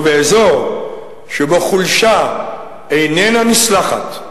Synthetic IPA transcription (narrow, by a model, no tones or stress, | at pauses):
veezoʁ | ʃeboχulʃa | ejnenanislaχa̰t